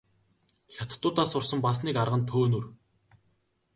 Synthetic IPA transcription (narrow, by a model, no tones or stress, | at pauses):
xʲat̪̆t̪ːʊːt̪aːsʊrsə̆mpas̬niːkarʁə̆nt̪ʰoːnŭr